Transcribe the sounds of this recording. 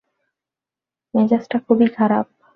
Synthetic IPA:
mɛd͡ʑasʈakʰubikʰaɾab̚

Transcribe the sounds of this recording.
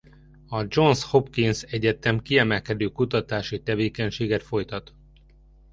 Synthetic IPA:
ɒd͡ʒo̞nsho̞pkinsɛɟɛt̪ɛmkiɛmɛlkɛd̪øːkut̪ɒt̪aːʃit̪ɛveːkɛɲʃeːɡɛt̪fo̞jt̪ɒt̪

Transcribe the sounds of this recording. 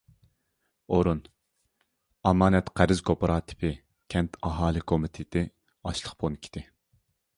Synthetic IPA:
oɾun | ɑmɑːnɛt̪qʰæɾɪzkʰopɾɑːt̪ʰɪ̥pʰɪ | kʲʰɛnt̪ʰɑɦɑːlˠɨkʰomɪt̪ʰet̪ɪ | ɑʃlˠəχpʰonkʲʰi̥t̪ʰɪ

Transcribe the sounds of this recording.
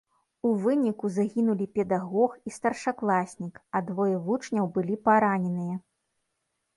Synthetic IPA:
uvɨnʲikuzaɣʲinulʲipʲɛd̪aɣɔxist̪ɐrʂaklˠasʲnʲikɐd̪vɔjɛvut͡ʂnʲɐwbɨlʲipaɾanʲɛnɨjɐ

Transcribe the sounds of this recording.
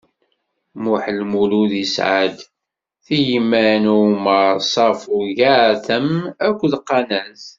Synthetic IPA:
muħlmuluðisʕa̰d̪ | θijmːænuməɾsˤɑfuʝaʕθəmækʷːðqːɑnæz

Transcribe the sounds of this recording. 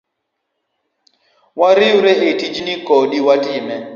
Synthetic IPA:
waɾɪuɾeʔetid͡ʒnikɔɗiwatɪmɛ

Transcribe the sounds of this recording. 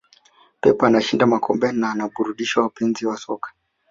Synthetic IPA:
pɛpaːnaʃindamakʰɔmbɛnaːnaɓuɾuɗiʃwawapɛnziwasɔkʰḁ

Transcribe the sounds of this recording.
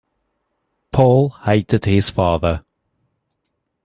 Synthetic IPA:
pʰɔːlˠheɪtɪd̥hɪz̥fɑːðə

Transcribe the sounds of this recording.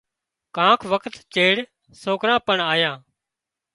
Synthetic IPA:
kãːkʰʋəkʰt̪t͡ʃeːɽ | soːkɾãːpəɳaːjãː

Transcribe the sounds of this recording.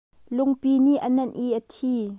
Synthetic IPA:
lʊŋpiniʔənɐnʔiʔət̪ʰiː

